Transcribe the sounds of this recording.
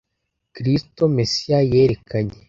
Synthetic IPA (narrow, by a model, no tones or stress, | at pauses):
kɾisto̞mesijaje̞ːɾekaɲe